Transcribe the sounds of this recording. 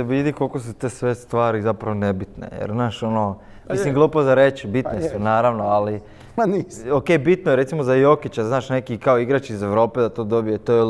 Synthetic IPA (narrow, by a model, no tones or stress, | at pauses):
eʋid̪iko̞lˠko̞s̬ut̪eːsʋe̞st̪ʋaːɾizapɾaʋonebit̪ne̞̰jḛɾznaːʃo̞no | mislimɡlˠuːpozaɾet͡ɕbit̪nesunaːɾaʋno̞ali | oke̞ːbit̪nojeɾet̪simo̞zajo̞kit͡ɕaznaːʃne̞kikaoiɡɾat͡ɕizeʋɾo̞ːpe̞d̪at̪o̞ːd̪o̞bijet̪oje